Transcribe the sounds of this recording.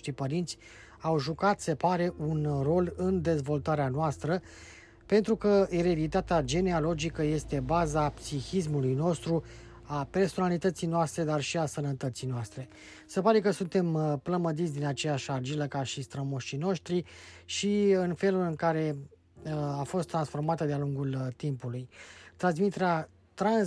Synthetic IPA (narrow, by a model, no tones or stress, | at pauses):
t̪ɾipəɾint̪sʲ | awʒukat̪se̞paɾe̞ʔunro̞lɨnd̪e̞zvo̞lt̪aɾeanoast̪ɾə | pe̞nt̪ɾukəeɾe̞d̪it̪at̪ead͡ʒe̞neolo̞d͡ʒikəje̞st̪e̞bazapsixis̬mulujno̞st̪ɾu | ape̞rso̞nalit̪ət̪sijnoast̪ɾe̞d̪arʃiasənət̪ət̪sijnoast̪ɾe̞ | sepaɾe̞kəsunt̪e̞mpləməd̪it̪sʲd̪inat͡ʃe̞jaʃard͡ʒiləkaʃist̪ɾəmoʃino̞ʃt̪ɾiʃiɨnfe̞lulɨŋkaɾe̞ | afo̞st̪ːɾansfo̞rmat̪əd̪ealuŋɡult̪impulujt̪ɾans̬mit̪e̞ɾea | t̪ɾan